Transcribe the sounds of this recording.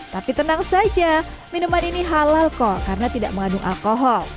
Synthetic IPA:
t̪apit̪ənaŋsad͡ʒaminumaniniɦalalkɔkaɾənat̪ida̰ʔməŋadʊŋʔa̰lkoɦɔl

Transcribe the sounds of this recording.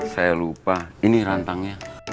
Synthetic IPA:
sajalupainiɾant̪aŋɲa

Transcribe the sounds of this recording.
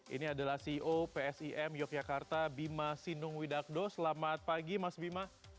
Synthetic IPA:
ʔḭniadalahsiiʔopeɛsiʔɛmjɔk̚d͡ʒakart̪abimasinʊŋwidak̚dɔsəlamat̪̚paɡimasbima

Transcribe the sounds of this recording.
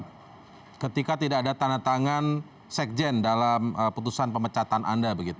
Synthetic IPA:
kət̪ikat̪idakadat̪aŋat̪aŋan | sɛk̚d͡ʒɛndalaməput̪usanpəmət͡ʃat̪anʔa̰ndabəɡit̪u

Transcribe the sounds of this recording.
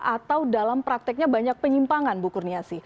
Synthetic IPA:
ʔat̪awdalampɾak̚t̪ɛk̚ɲabaɲak̚pəɲimpaŋanbukurniasi

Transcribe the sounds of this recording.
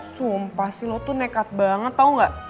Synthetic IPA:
suəmpasilɔt̪unekat̪̚baŋət̪ːauŋɡaʔ

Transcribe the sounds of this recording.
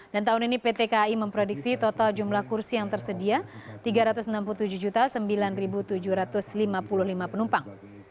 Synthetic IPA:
d̥ant̪aɦʊninipet̪ekaiməmpɾodik̚sit̪ot̪ald͡ʒumlahkursijaŋt̪ərsədiat̪iɡaɾat̪ʊsnampulut̪ud͡ʒuhd͡ʒut̪asəmbilanribut̪ud͡ʒuɾat̪ʊslimapulʊhlimapənumpaŋ

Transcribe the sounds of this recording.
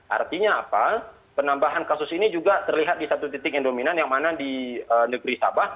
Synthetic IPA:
ʔa̰rt̪iɲaːpa | pənambaɦankasʊsinid͡ʒuɡat̪ərliɦat̪̚disat̪ut̪it̪ɪkɛndominanjaŋmanadiənəɡəɾisa̰bah

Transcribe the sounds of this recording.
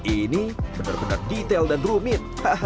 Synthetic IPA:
inibəna̰rbəna̰rdit̪ɛldanrumɪt̪̚hah

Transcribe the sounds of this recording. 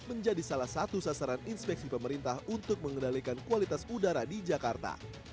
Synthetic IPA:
məɲd͡ʒadisalahsat̪usasaɾaninspɛk̚sipəməɾint̪ahunt̪ʊk̚məŋənalikankualit̪asudaɾadid͡ʒakart̪a̰

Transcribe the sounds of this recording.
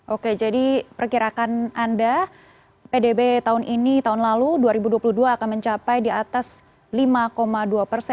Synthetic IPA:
ʔoked͡ʒadipərkiɾakananda | pedebet̪aɦʊnʔinit̪aɦʊnlaluduaɾibuduapuluhduaːkanməɲt͡ʃapajdiat̪as | limakomaduapərsɛ

